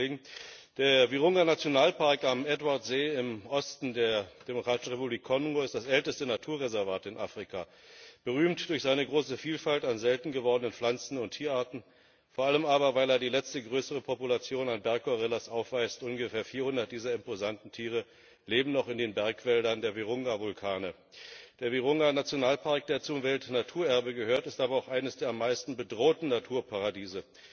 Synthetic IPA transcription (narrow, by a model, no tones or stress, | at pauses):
ɡŋ̩d̥eːɐviʁʊŋɐnat͡sjonaːlpʰaɐkamɛtvaɐtz̥eːɪmʔɔstn̩deːɐd̥emokʁ̥aːtɪ̥ʃn̩ʁepubliːkʰːɔnŋoɪst̚d̥asʔɛltəstənatʰuːɐʁɛzɛɐvaːtɪnʔa̰ːfʁ̥ikʰaː | b̥əʁyːmtd̥ʊɐçz̥aɪnəɡʁoːsəfiːlfaltanzɛltn̩ɡəvɔʁdənənflant͡sn̩ʊntʰːiːɐʔaɐtn̩ | foːɐʔaləmaːbɐvaɪleːɐdiːlɛt͡stəɡʁøːsəʁ̞əpʰɔpulat͡sjoːnanbɛɐkʰːɔʁɪlasʔaʊfv̥aɪstʔʊnɡəfeːɐfiːɐhʊndɐt̚d̥iːzɐɪmpozantn̩tʰiːʁ̞ə | leːbm̩nɔχɪndeːnbɛɐkv̥ɛldɐndeːɐveʁʊŋɡavʊlkʰaːnə | d̥eːɐveʁ̞ʊŋɡanat͡sjonaːlpʰaɐk̚d̥eːɐt͡sʊmvɛltnatʰuːɐʔɛɐbəɡəhøːɐtɪstʔaːbɐaʊxʔaɪnəsd̥eːɐamːaɪstn̩bədʁoːtn̩natʰuːɐpʰaʁadiːzə